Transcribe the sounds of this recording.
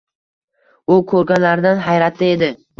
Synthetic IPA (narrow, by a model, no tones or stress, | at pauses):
ʊkʰɵɾɡʲanlaɾd̪anɦajɾat̪ʰːɪed̪ɪ